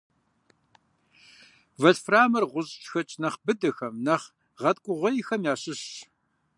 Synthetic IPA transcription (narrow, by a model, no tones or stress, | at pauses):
vɐɬfraːmɐrʁʷʊʑt͡ʃʼxɐt͡ʃʼnɐχbɨdɐxɐmnɐχ | ʁɐtkʷʼʊʁʷɔjɪxɐmjaːɕɪɕ